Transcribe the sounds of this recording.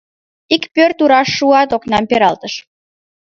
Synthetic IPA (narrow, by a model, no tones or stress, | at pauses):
ikpørt̪uɾɑʃːuɑt̪oknɑmpeɾɑlt̪əʃ